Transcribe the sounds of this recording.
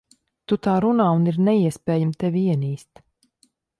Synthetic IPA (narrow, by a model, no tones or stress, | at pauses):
t̪ut̪aːɾunaːuniɾnɛiɛspɛːjamt̪ɛvʲiiɛniːst̪